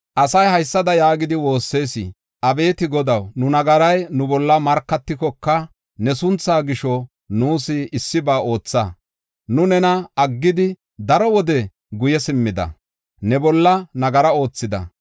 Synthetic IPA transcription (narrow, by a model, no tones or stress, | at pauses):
ʔɐsɐjhɐjsːɐd̪ɐjaːɡɪd̪ɪwo̞ːsːe̞ːsɪ̰ | ʔɐbe̞ːt̪ɪɡɔd̪ɐwnʊnɐɡɐɾɐjnʊbɔlːɐmɐɾkːɐt̪ːɪkɔkːɐ | nɛsʊnt͡sːaːɡɪʃɔ | nuːsɪːsːɪbaːo̞ːt͡sːɐ | nʊnɛnɐɐɡːɪd̪ɪ | d̪ɐɾɔwɔd̪ɛ | ɡʊjɛsɪmːɪd̪ɐ̰ | nɛbɔlːɐnɐɡɐɾɐo̞ːt͡sːɪd̪ɐ̰